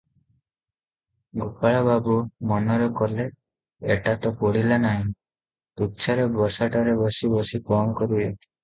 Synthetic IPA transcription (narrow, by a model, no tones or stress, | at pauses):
ɡupaɭababumɔnɔɾɔkɔle | eʈat̪ɔpɔɽ̤ilanaɦĩ | t̪ut̪ːʃʰaɾebɔsaʈaɾebɔsibɔsikɔmkɔɾuje